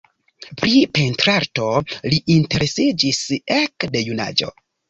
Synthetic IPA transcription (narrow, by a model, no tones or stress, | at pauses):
pɾipe̞ntɾaɾto̞liʔinte̞ɾe̞sid͡ʒise̞kde̞juna̰d͡ʒo̞̰